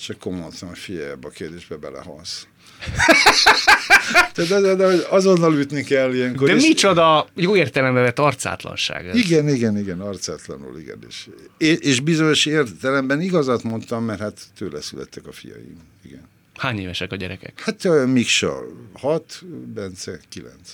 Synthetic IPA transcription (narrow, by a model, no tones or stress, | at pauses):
t͡ʃɛkːomːont̪ɔnfijajabɒkeːrd̪eːʒbɛbɛlɛ̰hɒ̰ns | t̪ɛat̪ɛzɛd̪ɛhoɟɒzonːɒlyt̪nikɛlːijɛŋkkodɛmit͡ʃod̪ɒjoːeːrt̪ɛlɛmbɛvɛt̪ːɒrt̪sa̰ːt̪lɒ̰nʃa̰ːɡiɡɛniɡɛniɡɛnɒrt̪saːt̪lɒ̰ny̰lḭɡɛ̰nḛʃeeʃbizoɲoʃeːrt̪ɛlɛmbɛniɡɒzat̪mo̞nt̪ɒmːɛrhat̪ːøːlɛsylɛ̰t̪ːɛkɒfḭjɒ̰jḭm | iɡɛn | haːɲeːvɛʃɛkɒɟɛɾɛkɛ̰khat̪mikʃɒ̰hɒt̪bɛnt̪sɛkilɛ̰nt̪s